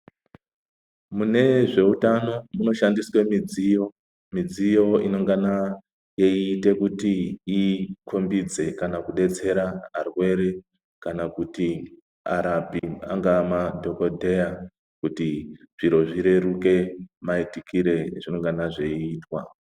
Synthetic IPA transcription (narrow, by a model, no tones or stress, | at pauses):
mune̞ʐe̞utano̞muno̞ʃandiswe̞mid͡zijo | mid͡zijo̞ino̞ŋɡana | je̞iːte̞kutiikʰombid͡ze̞kanakuɗe̞t͡se̞ɾaɦarwe̞ɾe̞ | kanakuti | a̰ɾabia̰ŋɡamadʱo̞ko̞dʱe̞ja | kuti | ʐ̥iɾo̞ʐiɾe̞ɾuke̞maitikiɾe̞ʐino̞ŋɡanaʐe̞iiːtwa̰